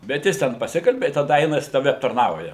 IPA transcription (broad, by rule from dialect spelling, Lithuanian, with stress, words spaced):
bʲɛt ˈjɪs tʲɛn pɐˈsʲɪkɐlʲbʲɪ ɪ tɐˈdɐ ˈɐɪnɐ jɪs ˈtɑːʋʲɛ ɐptɐrˈnɐʊjɛ